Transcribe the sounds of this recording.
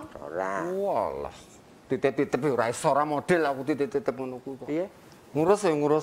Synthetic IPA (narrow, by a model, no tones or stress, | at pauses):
sɔ̰ɾawɔlɔ̰h | t̪it̪et̪it̪əpɦeuɾaisoɾamoɖ̥ɛlakut̪it̪it̪it̪əp̚ŋənukukɔ | ŋuɾʊsŋuɾʊs